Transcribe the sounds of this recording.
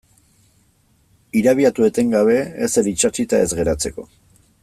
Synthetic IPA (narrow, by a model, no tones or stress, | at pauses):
iɾaβ̞iat̪ue̞t̪e̞ŋɡaβe̞ːse̞ɾit͡ʃat͡ʃit̪ae̞zɣe̞ɾat͡se̞ko̞